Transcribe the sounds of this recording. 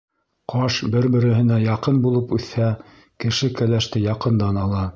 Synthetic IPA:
qʰɑʃbɘɾbɘ̆ɾɘ̆ɦɘ̆næjɑqɤnbulˠɤpʉθhæ | kɘ̆ʃɘkælæʃt̪ɘjɑqɤ̆nd̪ɑnɑlˠɑ

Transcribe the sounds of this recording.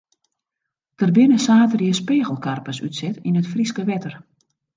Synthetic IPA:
d̥ərbɪnəsaːtərjəspeːɣəlˠkʰarpəsytsɛtinətfriskəʋɛtər

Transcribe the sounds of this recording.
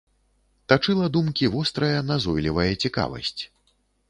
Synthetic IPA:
t̪at͡ʂɨlˠɐd̪umkʲivɔst̪ɾɐjɐnazɔjlʲivɐjɐt͡sʲika̰vɐ̰sʲt͡sʲ

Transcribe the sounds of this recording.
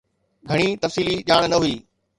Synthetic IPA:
ɡʱɐɽ̃it̪ɐfsiːliʄaːɽ̃nɐɦuiː

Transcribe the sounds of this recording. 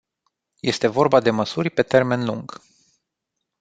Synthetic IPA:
je̞st̪e̞vo̞rbad̪e̞məsurʲpe̞t̪e̞rme̞nluŋɡ̥

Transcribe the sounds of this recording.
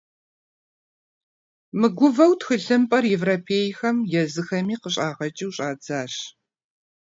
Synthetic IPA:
mɨɡʷʊvɐwtxɨɬɨmpʼɐrjɛvroːpʰeːjxɐmjɛzɨxɐmiːqəɕʼaːʁɐt͡ʃʼiwɕʼaːd͡zaːɕ

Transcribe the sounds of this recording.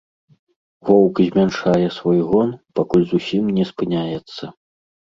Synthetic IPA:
vɔwkzʲmʲanʂajɛsvɔjɣɔnpakulʲzusʲimnʲɛspɨnʲajɛt̪sːɐ

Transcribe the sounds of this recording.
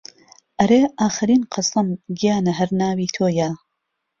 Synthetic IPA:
ʔɐɾeːʔaːxɨɾiːnqʰɐsɐmɡijaːnɐɦɐɾnaːwiːt̪ʰoːja

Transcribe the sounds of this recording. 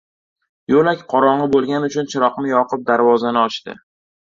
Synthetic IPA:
jolakʲqʰɒɾɒɴɨbolˠɡʲanʊt͡ʃʰʊnt͡ʃʰɪɾɒqmɪjɒqʰɨp̚d̪aɾvɒzanɪɒt͡ʃt̪ɪ̰

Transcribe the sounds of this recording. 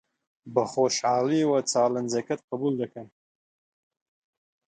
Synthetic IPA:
baχoʃaːliwat͡sʰaːland͡zakʰat̚ʼqʰabuldakʰan

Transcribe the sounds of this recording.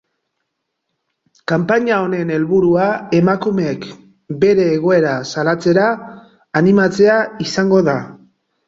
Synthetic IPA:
kampaɲao̞ne̞ne̞lβuɾuae̞makumek | be̞ɾe̞ːɣ̞o̞e̞ɾasalat͡se̞ɾaː | nimat͡se̞aisaŋɡo̞ða

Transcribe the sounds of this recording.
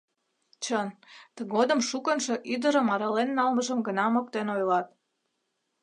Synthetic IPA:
t͡ɕənt̪əɣod̪ə̆mʃukənʃoʔyd̪əɾəmɑɾəlenːɑlməʒəmɡənɑmok̚t̪enojlɑt̪̚

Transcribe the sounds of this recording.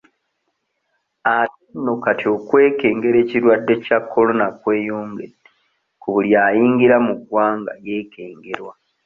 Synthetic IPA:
atenːokatio̞kwe̞ːke̞ːŋɡe̞ɾe̞ːciɾwadːe̞cakʰːo̞lo̞nakwe̞ːjoːŋɡee | kuβuljaːjiːŋɡiɾamuɡwaːŋɡa̰je̞ːke̞ːŋɡe̞ɾwa

